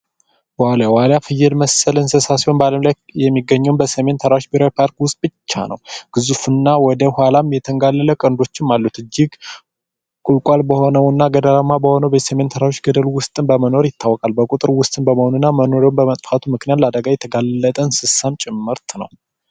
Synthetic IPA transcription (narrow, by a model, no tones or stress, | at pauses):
waljawaljafɨjːɪlməsəlɨnsəsasionbaləmlajjɛmːiɡːəɲːɛwnbəsəme̞nt̪ʰəɾaʃbiɾawipʰaɾkwʊst̪̚ʼbɨt͡ʃːa̰nə̰wɡ̥ɨzufɨnːawɔd̪əhʷwalamjɛt̪ʰəŋɡalːələkʼənd̪o̞t͡ʃːɪnmalːut̪ɨd͡ʒːɪɡ | kʼulkʼwalbəho̞nəwɨnːaɡəd̪əlamːabəho̞nəwbesəme̞nt̪ʰəɾaʃɡəd̪əlwʊst̪ʼɨnbəməno̞ɾjɪt̪ʰːawɔkʼalbəkʼut̪ʼɨɾwʊst̪ʼɨnbəməhonɨnːaməno̞ɾownbəmət̪ʼfat̪ʰumɨknijat̪lad̪əɡajɛt̪ʰəɡalːət̪ʼənsɨsant͡ʃʼɪmːɨɾt̪nə̰w